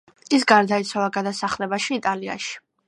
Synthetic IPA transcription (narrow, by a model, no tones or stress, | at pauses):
is̬ɡaɾd̪ait̪sʰwavaɡad̪asaχlɛbaʃiːt̪ʼalia̰ʃi̥